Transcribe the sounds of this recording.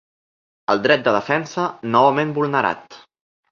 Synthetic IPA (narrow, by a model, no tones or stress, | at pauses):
əlˠd̪ɾɛt̪̚d̪əð̞əfɛnsənɔβəmembulˠnəɾa̰t̪